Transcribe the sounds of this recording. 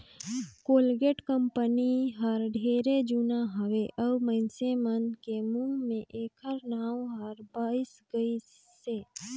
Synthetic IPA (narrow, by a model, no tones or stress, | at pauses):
koːlɡeːʈkəmpəniɦəɾɖʱeːɾed͡ʒunaɦəʋeʔəbmə̃ɪnsemənkemũmẽʔeːkəɾnaːwɦəɾbaːɪsɡəi | se